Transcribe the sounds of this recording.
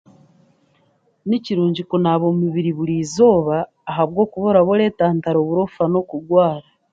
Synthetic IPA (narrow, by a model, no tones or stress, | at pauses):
niciɾuːɲɟikonaβo̞ːmuβiɾiβuɾiːzo̞ːβaː | ɦaβɡo̞ːkuβo̞ɾaβoɾe̞ːtaːntaɾo̞ːβuɾo̞fano̞kuɡwaːɾa